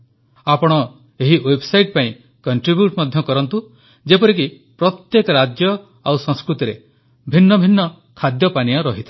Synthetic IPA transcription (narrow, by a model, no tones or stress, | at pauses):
apɔɽ̃ɔ | eɦiwebsajʈpaĩ | kɔɳʈɾibjuʈmɔd̪ʱjɔkɔɾɔnt̪u | d͡ʒepɔɾik̬i | pɾɔt̪jekɔɾad͡ʒjɔ | awsɔ̃ŋskɾut̪iɾe | bʱinːɔbʱinːɔ | kʰad̪jɔpaniɔɾɔɦit̪ʰa